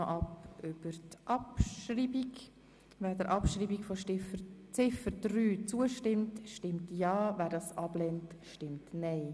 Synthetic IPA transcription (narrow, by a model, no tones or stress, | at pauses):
oʔɑpʏb̥əɾtʔɑpʃɾiːbiɡ | væːdəɾʔɑpʃɾiːbikfoʃɪfət͡sɪfəɾdryːt͡suəʃtɪmtʃtɪmtjɑːvæːɾdɑːsʔɑb̥lɛntʃtɪmtnɛɪ